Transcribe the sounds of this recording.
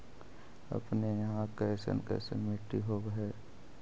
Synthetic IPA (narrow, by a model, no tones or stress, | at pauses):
ɐ̰pnejɐɦãkɛːsə̰nkɛ̰ːsə̰nmɪʈːiɦoːbɦɛː